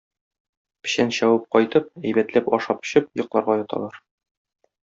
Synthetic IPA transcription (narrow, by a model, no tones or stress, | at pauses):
pɘ̥̆ɕænɕɒwɤp̚qɒjt̪ɤp̚æjbæt̪læpɒʃɑpɵ̥̆ɕɘpjŏqlˠɑɾʁɑjɒt̪ɑ̰lˠɑɾ